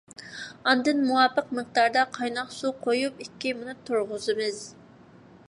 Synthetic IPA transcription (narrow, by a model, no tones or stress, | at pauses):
ɑnd̪ɨnmuwɑːpəq̚mɨq̚d̪ɑɾd̪ɑqʰɑjnɑχsuqʰojupikʲːimunɨt̪ʰuɾʁʊzɨmɨz